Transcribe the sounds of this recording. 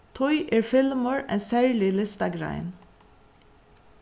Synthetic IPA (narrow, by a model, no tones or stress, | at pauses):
t̪ʰʊʏʔeːɹfɪlməɹḛːnsæːɹlɪlɪst̪ɑɡɹæ̰ɪn